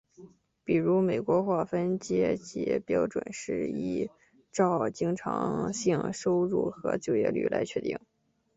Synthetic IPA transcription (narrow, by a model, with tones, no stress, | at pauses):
pi˨˩ɻu˧˥me˨˩ɪkwɔ˧˥xwa˥˩fə˥nt͡ɕjɛ˥t͡ɕḭ˧˥pjɑ˥ʊʈ͡ʂwə̰˨˩nʂɻ̩˥˩i˥˩ | ʈ͡ʂɑ˥˩ʊt͡ɕi˥ŋʈ͡ʂʰɑ̰˧˥ŋɕi˥˧ŋʂo˥ʊɻṵ˥˩xɤ̰˧˥t͡ɕjo˥˧ʊjɛ̰˥˧ly̰˥˩la˧˥ɪt͡ɕʰɥɛ˥˩t̪ḭ˥˩ŋ